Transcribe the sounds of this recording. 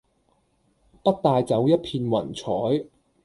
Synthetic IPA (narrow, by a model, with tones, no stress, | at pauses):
pɐ˥t̚t̪aː˧jt͡sɐ˨˥wjɐ˥t̚pʰiː˧nwɐ̰˨˩nt͡sʰɔː˨˥j